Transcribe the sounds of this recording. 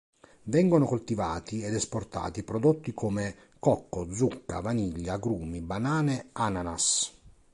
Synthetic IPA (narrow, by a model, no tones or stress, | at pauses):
vɛŋɡonokolt̪ivaːt̪iɛd̪ɛsport̪a̰ːt̪ipɾɔd̪ot̪ːikome | kɔkːod̪zukːa̰vaniʎːaɡɾuːmibanaːneananas